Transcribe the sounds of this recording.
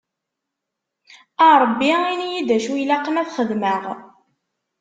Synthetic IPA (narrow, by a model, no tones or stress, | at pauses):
əɾˤəbːiinijid̪æʃujlæqːəmæθχəðməʁ